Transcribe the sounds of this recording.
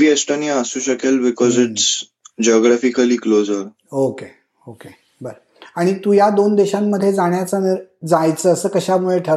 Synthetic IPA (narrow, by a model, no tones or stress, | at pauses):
biesʈoniaəsuːɕəkelbikɔziʈs | d͡ʑeɔɡɾafikəliːklozəɾ | oke | oke | bəɾə | aɽ̃it̪uːjad̪ond̪eɕamːəd̪ʱːjed͡zaɽ̃jat͡sanəɾd͡zajt͡səːəsəːkəɕamuɭeʈʰəɾ